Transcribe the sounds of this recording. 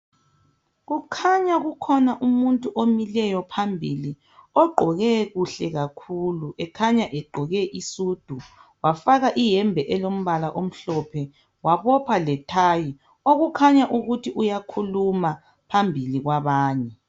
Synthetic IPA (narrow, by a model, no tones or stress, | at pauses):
ɣukʰaɲaɣukʰɔnaʔumuntʼuʔomilɛjɔpʰambʱili | ɔɡ͡ǃʱɔɣɛɣuɬɛɣakʰuːluʔɛkʰaɲaʔɛɡ͡ǃʱɔɣɛʔisuːd̥ʱuwafaɣaʔijɛmbʱɛʔɛlom̩βalaʔom̩ɬɔpʰɛ | waβɔpʰalɛtʰaːji | oɣukʰaɲaʔuɣutʰiʔujakʰuluma | pʰambʱiliɣwaβaːɲɛ